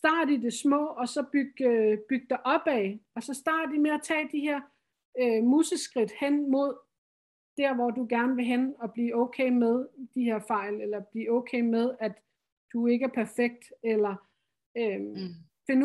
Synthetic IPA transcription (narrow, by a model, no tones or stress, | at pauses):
sd̥ɑ̰̈ːdɐd̥id̥e̝smɔ̰̽ːɒ̽sɒ̽b̥yɡ̥b̥yɡ̥̚d̥ɑʔɒ̽b̥ɛːɒ̽sɒ̽sd̥ɑ̈ːdɐd̥imeæt͡sʰɛ̰ːd̥ihe̝ɐ̰ | ømuːsəsɡ̥ʁid̥hen̰mo̝ð̞̰ˠ | d̥æɐ̰ʋɒduɡ̥æɐnəʋe̝ɦenɒ̽b̥lḭːɔ̽ʊkʰḛɪmeð̞ˠd̥iheɐ̰fɑ̈ɪ̰lelɐb̥liːɔ̽ʊkʰeːmeð̞ˠæd̥ | d̥ue̝ɡ̥əæɐpʰæɐfeɡ̥̚d̥elɐ | ø | fe̝n